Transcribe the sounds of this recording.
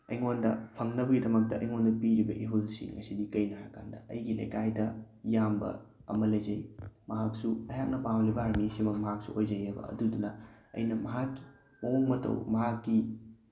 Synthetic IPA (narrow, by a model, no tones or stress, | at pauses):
ɐ̰jŋondɐ̰pʰɐŋnɐbɐɡidɐmɐk̚tɐʔɐjŋondɐpiɾibɐʔiɦulsḭŋŋɐsidikɐjnaɾɐkandɐʔɐ̰jɡilɐ̰jkajdɐ | jambɐ̰ɐ̰mɐlɐjd͡ʒɐjmɐɦak̚suɐjak̚nɐpamlibɐaɾmisimɐk̚mɐɦak̚sṵojd͡ʒɐjɐbɐ̰ɐ̰dudunɐɐ̰jnɐmɐɦakːi̥ | mɐuŋmɐtɐ̰wmɐɦakːi